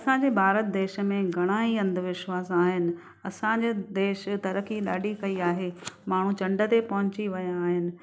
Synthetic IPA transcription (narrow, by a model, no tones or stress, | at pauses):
ɐsãːɲd͡ʑeːbʱaːɾət̪̚d̪eːʃə̆mẽɡʱɐɽ̃ãːiɐ̃nd̪ʱʋɪʃwaːsaːɦɪnɪ̆ | ɐsã̆d͡ʑeːd̪eːʃt̪ɐɾəkiɗa̰ːɖʱikɐiaːɦemaːɳ̤ũt͡ɕɐ̃ɳɖət̪epɐɦʊ̃ɲt͡ɕiʋɐjãːɦɪnɪ̆